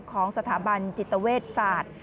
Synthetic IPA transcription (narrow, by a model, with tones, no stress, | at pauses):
kʰɔː˩˦ŋsa˧t̪ʰaː˩˦ba˧nt͡ɕi˨˩t̪ːa˧weː˥˩t̪̚saː˨˩t̪̚